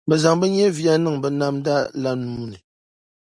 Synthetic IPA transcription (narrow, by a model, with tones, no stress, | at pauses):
bɛ˨za˨ŋbɛ˦ɲɛ˦vi˦a˦nɨ˦ŋbɛ˨na˦mda˦la˦nuː˦nɨ˨